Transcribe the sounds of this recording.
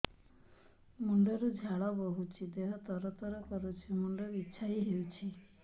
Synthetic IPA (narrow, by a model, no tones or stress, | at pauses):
muɳɖɔɾud͡ʒʱaɭɔbɔɦut͡ʃʰid̪eɦɔt̪ɔɾɔt̪ɔɾɔkɔɾut͡ʃʰimuɳɖɔɾuitːʃʰaɦiɦewt͡ʃʰi